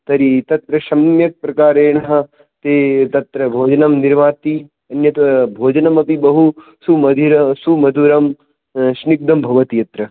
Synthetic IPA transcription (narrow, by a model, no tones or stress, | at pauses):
t̪ɐɾit̪ɐt̪ɾɐʃɐmjɐk̚pɾɐkaːɾeːnɐɦɐ | t̪eːt̪ɐt̪ɾɐbʱoːd͡ʒɐnɐmniɾmaːt̪i | ɐnjɐt̪bʱoːd͡ʒɐnɐmɐpibɐɦu | sumɐd̪ʱiɾɐsumɐd̪ʱuɾɐm | ʃnik̚d̪ɐmbʱɐʋɐt̪ijɐt̪ɾɐ